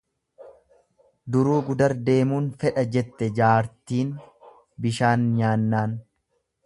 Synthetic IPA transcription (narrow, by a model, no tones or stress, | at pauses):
d̪ʊɾuːɡʊd̪ɐɾd̪e̞ːmuːnfɛᶑɐd͡ʒɛt̪ːɛd͡ʒaːɾt̪iːn | bɪʃaːnɲaːnːaːn